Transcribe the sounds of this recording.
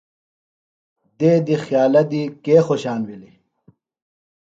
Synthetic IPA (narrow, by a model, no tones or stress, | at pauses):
d̪eːd̪ixjaːlɐd̪ikeːxoɕaːnwili